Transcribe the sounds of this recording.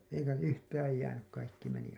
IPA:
eikæ yhtæːj jæːnyk kɑikːi meni

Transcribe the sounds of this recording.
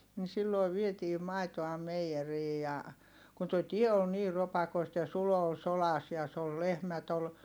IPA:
ni silːoˑi ʋietiː mɑi̯toɑ meijeriː jɑ kun toi tie ol niːr̆ ropɑkoistɑ jɑ sulo ol solɑs jɑ s ol lehmæt ol

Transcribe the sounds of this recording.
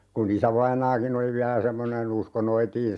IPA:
kun isæʋɑinɑːkin oli ʋiælæ semːonen usko noitiːn

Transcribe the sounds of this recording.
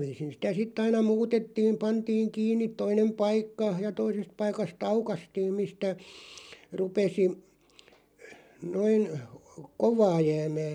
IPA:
ʋiːsin̞ sitæ sitˑ ɑinɑ muːtetːiːm̆ pɑntiːŋ kiːnːit̆ toinem pɑikːɑ jɑ toisest pɑikɑst ɑukɑstiːm mistæ rupesi noin koʋɑː jæːmæː

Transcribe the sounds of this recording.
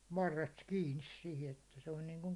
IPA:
ʋɑrːest kiːnis sihi etːæ se on niːŋkuŋ

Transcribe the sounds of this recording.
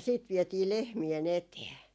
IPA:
siːt ʋietiː lehmien eteː

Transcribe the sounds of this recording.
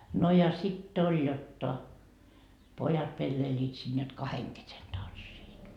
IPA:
no jɑ sitː olʲ jotːɑ pojɑt pelːeiliːt siːn jot kɑheŋ kesen tɑnsːiːt

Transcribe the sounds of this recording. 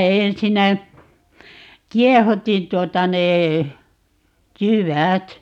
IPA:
ensinːæ kiɛhutin tuotɑ neː jywæt

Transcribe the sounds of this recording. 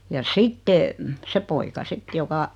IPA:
jɑ sitːe se poikɑ sit jokɑ

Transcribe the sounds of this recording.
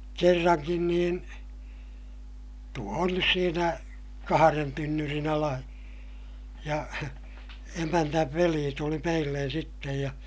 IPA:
kerːɑŋkin niːn tuo on nys siːnæ kɑhɑren tynːyrin ɑlɑ jɑ emænːæʋ ʋeliː tuli meilːen̞ sitːej jɑ

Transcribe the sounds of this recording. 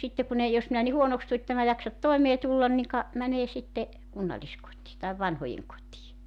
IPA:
sitːe kun ei jos minæ ni huonoks tu etːe mæ jɑksɑt toemeː tulːɑn niŋ kɑ mæneː sitːe kunːɑlʲiskotˑiː tɑiʋ ʋɑnhojeŋ kotʲiː

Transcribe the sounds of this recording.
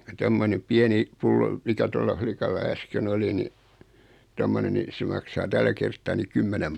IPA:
kun tomːonem piɛni pulːo mikæ tolːɑ flikɑlːɑ æsken oli ni tomːone ni se mɑksɑː tælːæ kertːɑː ni kymːɛnem

